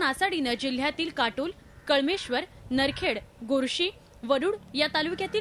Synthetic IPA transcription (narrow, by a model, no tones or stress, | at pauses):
nasaɽinəd͡ʑil̤jat̪iːlkaʈuːl | kəɭmeɕʋəɾnəɾkʰeɽɡoɾɕiː | ʋəɽuːɽjat̪alukjat̪iː